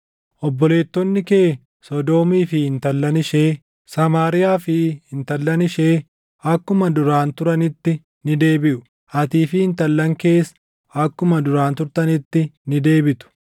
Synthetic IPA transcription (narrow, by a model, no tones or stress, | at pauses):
ʔɔbːɔle̞ːt̪ːɔnːɪkeː | sɔd̪o̞ːmiːfɪɪnt̪ɐlːɐnɪʃe̞ː | sɐmaːɾɪjaːfɪhɪnt̪ɐlːɐnɪʃe̞ː | ɐkːʊmɐd̪ʊɾaːnt̪ʊɾɐnɪt̪ːɪ | nɪd̪e̞ːbɪʔʊ | ʔɐt̪iːfɪɪnt̪ɐlːɐŋke̞ːs | ɐkːʊmɐd̪ʊɾaːnt̪ʊɾt̪ɐnɪt̪ːɪnɪd̪e̞ːbɪt̪ʊ̥